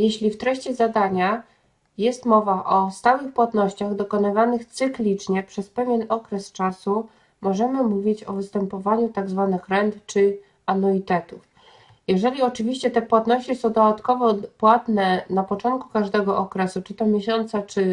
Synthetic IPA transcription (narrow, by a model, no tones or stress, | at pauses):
jɛɕlʲift̪ɾɛɕt͡ɕɛzad̪aɲa | jɛst̪mɔvaʔɔst̪awɘxpwat̪nɔɕt͡ɕaɣd̪ɔkɔnɘvanɘxt̪sɘklʲit͡ʂɲɛpʂɛspɛvʲjɛnɔkɾɛst͡ʂasu | mɔʐɛmɘmuvʲit͡ɕɔvɘst̪ɛmpɔvaɲut̪aɡzvanɘxɾɛnt̪t͡ʂɘ | anɔit̪ɛt̪uf | jɛʐɛlʲiɔt͡ʂɘvʲiɕt͡ɕɛt̪ɛpwat̪nɔɕt͡ɕisɔ̃w̃d̪ɔd̪at̪kɔvɔpwat̪nɛnapɔt͡ʂɔ̃nt̪̚ku̥kaʐd̪ɛɡɔʔɔkɾɛsut͡ʂɘt̪ɔmʲjeɕɔnt̪sat͡ʂɘ